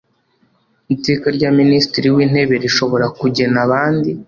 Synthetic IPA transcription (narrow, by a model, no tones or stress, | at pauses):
itikaɾɟaːministiɾiwiːn̥he̞βe̞ɾiʃo̞βo̞ɾakuɟe̞naβaːndi